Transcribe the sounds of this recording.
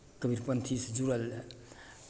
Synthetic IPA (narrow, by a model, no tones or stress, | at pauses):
kɐbiɾpɐntʰisd͡ʒuɾal